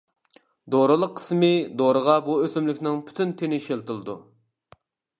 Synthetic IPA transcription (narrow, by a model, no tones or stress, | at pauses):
d̪oɾɨlˠəqʰːə̥smɨd̪oɾəʁɑbuøsymlɪkʲnɪŋpʰy̥t̪ʰynt̪ʰenɪʃelˠt̪ɨlˠɨd̪ṵ